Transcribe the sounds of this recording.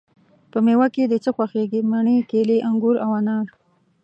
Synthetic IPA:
pəmewaked̪ət͡səxwaxeɡimaɳekeleʔaŋɡʊɾawanɑɾ

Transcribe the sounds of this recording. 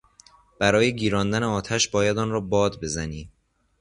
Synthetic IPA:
b̥æɾɒːjeɟiːɾɒːnd̪æneɒːt̪ʰæʃbɒːjæd̪ɒːnɾɒːbɒːd̪be̞zæniː

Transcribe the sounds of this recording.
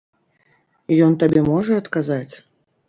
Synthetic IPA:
ijɔnt̪abʲɛmɔʐɐɐt̪kazat͡sʲ

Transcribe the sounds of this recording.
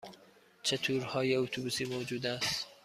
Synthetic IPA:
t͡ʃʰet̪ʰuːɾhɒːjeot̪ʰubusiːmoːd͡ʒuːd̪æst̪

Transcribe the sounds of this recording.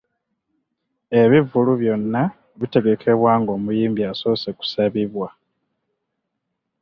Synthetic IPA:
e̞βivuluβjo̞nːa | βite̞ɡe̞kʰe̞βwaːŋɡo̞ːmujiːmbiaso̞ːseku̥saβiβwa

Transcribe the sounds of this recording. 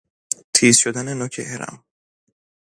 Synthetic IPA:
t̪ʰiːzʃod̪ænenokʰeʔeɾa̰m

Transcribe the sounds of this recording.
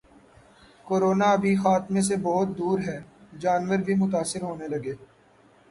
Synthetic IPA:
koːɾoːnaɐbʱixaːt̪mẽs̬ebɔɦʊt̪̚d̪uːɾɦɛːd͡ʒaːnʋəɾbʱimʊt̪aːsɪɾɦoːnelɐɡeː

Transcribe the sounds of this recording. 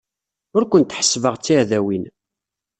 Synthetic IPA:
ʊɾkʷənt̪ħə̥sːvəʁt͡sːiʕðæwin

